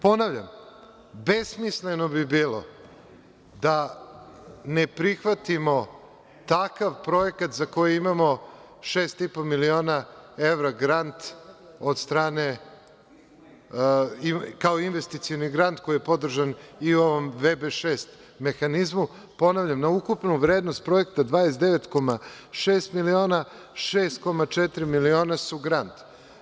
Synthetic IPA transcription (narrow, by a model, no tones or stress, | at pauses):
po̞naʋʎa̰m | besmisleno̞bibiːlo̞̰ | d̪a | nepɾixʋat̪imo̞ | t̪akaʋpɾo̞ekat̪zako̞jiimamo̞ | ʃeːst̪ipo̞milio̞ːnae̞ʋɾaɡɾant̪ | od̪st̪ɾaːne | ikaoinʋest̪it̪sioniɡɾant̪ko̞ijepo̞d̪r̩ʒanio̞ʋo̞mʋebeʃeːst̪ | me̞xanizmu | po̞naʋʎamnaukupnuʋɾe̞ːd̪no̞st̪̚pɾo̞je̞kt̪ad̪ʋaːesd̪eʋe̞t̪ko̞ma | ʃeːst̪milio̞ːna | ʃeːst̪ko̞mat͡ʃet̪ɾimilio̞ːnasuɡɾant̪